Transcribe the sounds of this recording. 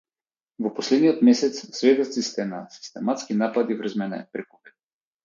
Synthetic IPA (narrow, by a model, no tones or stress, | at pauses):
vɔpɔslɛd̪nijɔt̪mɛsɛt̪ssvɛd̪ot̪sist̪ɛnasi̥st̪ɛmat̪skinapad̪ivr̩zmɛnɛ̰pɾɛkupɛ̥